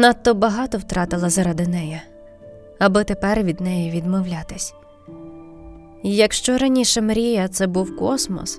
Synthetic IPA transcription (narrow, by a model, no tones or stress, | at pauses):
nɑt̪ːɔbɐɦɑt̪ɔwt̪ɾɑt̪ɪlˠɐzɐɾɐd̪ɪnɛjɛ | ɐbɪt̪epɛrʋʲid̪nɛjɛʋʲid̪mɔwlʲat̪ɪsʲ | ijɐkʃt͡ʃɔɾɐnʲiʃɛmɾʲijɐt̪sɛbuwkɔsmɔ̰s